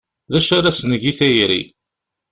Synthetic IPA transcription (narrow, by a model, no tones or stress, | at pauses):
ðæʃaɾæsnəʝiθæjɾḭ